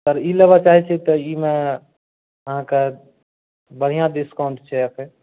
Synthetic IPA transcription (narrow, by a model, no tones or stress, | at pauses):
t̪əɾilebat͡ʃaːɦɛt͡ʃʰɛt̪ɔimẽ | əɦãke | bəɽ̤ijãɖiskaʊɳʈt͡ʃʰɛəkʰe